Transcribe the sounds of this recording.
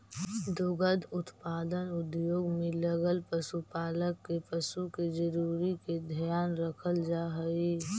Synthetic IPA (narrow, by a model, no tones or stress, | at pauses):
d̪ʊɡəd̪ʱʊt̪paːd̪ənʊd̪joːɡmẽləɡəlpəsupaːləkːepəsuked͡ʒəɾuːɾiked̪ʱjaːnɾəkʰəld͡ʒaːɦəiː